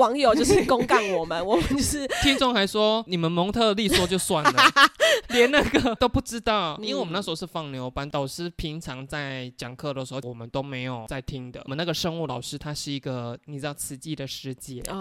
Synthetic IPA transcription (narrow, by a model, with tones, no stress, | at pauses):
wɑ˧˥ŋjo˨˩ʊt͡ɕjo˧ʊʂɻ̩˥˩kʊ˥ŋka˥˩nwɔ˨˩mə˦nwɔ˨mə˨˦t͡ɕo˥˧ʂ̩˥˩t̪ʰi˥ŋt͡sʊ˥˧ŋxa˧˥ɪʂwɔ˥ni˨˩mə˨˦nmɔ˧˥ŋt̪ʰɤ˥˧˨li˥˧swɔ˥˧t͡ɕjo˥˧ʊswa˥˩n˩lə˩ljɛ˧˦nna˥˩ɡə˩t̪o˥ʊpu˥˩ʈ͡ʂɻ̩˥t̪ɑ˥˩ʊĩ˥nwe˥˩wm˦na˥˩ʂ̩˧˥˧ʂɻ̩˥˧˩fɑ˥˩ŋljo˧˥ʊpa˧˥nt̪ɑ˨˩ʊʂɻ̩˥pʰi˧˥ŋʈ͡ʂʰɑ˧˥ŋt͡sa˥˩ɪt͡ɕjɑ˨˩ŋkʰɤ˥˩d̪ə˩ʂɻ̩˧˥o˥˧˩wɔ˨˩mə˦nt̪o˥ʊme˧˥ɪjo˨˩ʊt͡sa˥˩ɪt̪ʰi˦˥ŋd̪ə̰˨mə˦na˥˩ɡə˩ʂə˥ŋu˥˩lɑ˨˩ʊʂɻ̩˥t̪ʰa˥ʂɻ̩˥˩i˧˥ɡə˧ni˨˩ʈ͡ʂɻ̩˥t̪ɑ˥˩t͡sʰɹ̩˧˥t͡ɕi˥˩d̪ə˩ʂɻ̩˥˧t͡ɕjɛ˥˩˧